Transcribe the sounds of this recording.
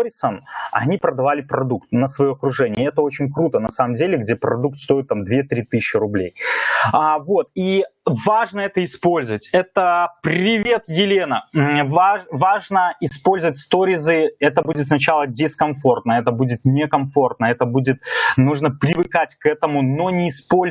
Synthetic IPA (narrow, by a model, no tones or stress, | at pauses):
ɾʲɪsənɐ̰nʲipɾəd̪ɐvalʲɪpɾɐd̪uk̚t̪nəsvɐjo̞ɐkɾʊʐɛnʲɪəɛt̪əo̞t͡ɕɪnʲkɾut̪ənɐsaməmdʲelʲɪɡdʲepɾɐd̪uk̚t̪st̪o̞ɪt̪ːamd̪vʲet̪ɾʲit̪ɨsɕːɪɾʊblʲejavo̞t̪ivaʐnəɛt̪əɪspo̞lʲzəvətʲɛt̪əpɾʲɪvʲe̞t̪jɪlʲe̞nəvavaʐnəɪspo̞lʲzəvətʲst̪o̞ɾʲɪzɨɛt̪əbudʲɪt̪snɐt͡ɕalˠədʲɪskɐmfo̞rt̪nəɛt̪əbudʲɪt̪nʲɪkɐmfo̞rt̪̚nəɛt̪əbudʲɪt̪̚nuʐnəpɾʲɪvɨkatʲkɛt̪əmʊno̞nʲɪːspo̞lʲ